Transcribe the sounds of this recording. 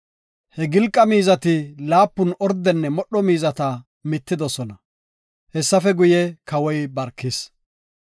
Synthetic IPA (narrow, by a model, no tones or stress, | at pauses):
hɛɡɪlkʼːɐmiːzɐt̪ɪlaːpːʊnɔɾd̪ɛnːɛmɔɗːɔmiːzɐt̪ɐ | mɪt̪ːɪd̪ɔsɔnɐ | hɛsːɐfɛɡʊjɛkɐwɔjbɐɾkːɪs